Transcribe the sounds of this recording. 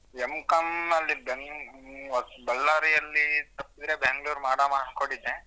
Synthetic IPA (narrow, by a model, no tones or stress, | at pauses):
emkɐmnɐlːibeŋ | ɐbɐlːaːɾijɐlːit̪ɐpːid̪ɾebeŋɡɭuːɾmaːɽaːmaːɐnkoɳɖid̪ːe